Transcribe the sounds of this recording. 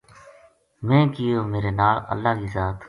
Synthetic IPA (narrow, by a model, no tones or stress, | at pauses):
mɛ̃ːkɪjoːmeːɾeːnaːlə̰lːaːkiːzaːt̪